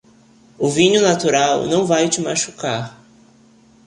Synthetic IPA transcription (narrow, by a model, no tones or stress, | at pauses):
ʊvĩɲʊnat̪uɾawnɐ̃w̃vajt͡ʃɪmaʃu̥kaɾ